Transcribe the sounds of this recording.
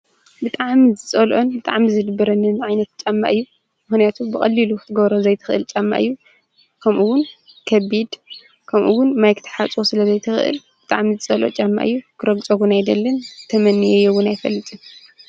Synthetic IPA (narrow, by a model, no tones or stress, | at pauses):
bɨt̪ʼaʕmizɨt͡sʼɐlʔonbɨt̪ʼaʕmizɨd̪ɨbːɐɾɐnːɨnʕajnɐt̪t͡ʃʼamːa̰ʔɨjːu | mɨxnijat̪ʰubɨkʼɐ̰lːilukʰɨt̪ʰɨɡɐβɾozɐjt̪ʰɨ̥xʔɨ̰lt͡ʃʼamːa̰ʔɨ̰jːu | kʰɐmʔuwʊn | kʰɐβid̪ | kʰɐmʔuwʊnmajkʰɨ̥t̪ʰɨ̥ħat͡sʼosɨlɐzɐjt̪ʰɨxʔɨ̰lbɨt̪ʼa̰ʕmizɨt͡sʼɐlʔo̰t͡ʃʼamːa̰ʔɨ̰jːukʰɨɾɐɡt͡sʼɐɡunajd̪ɐlːɐnt̪ʰɐmɐnːijɛjɛwʊnajfɐlːɨt̪ʼɨ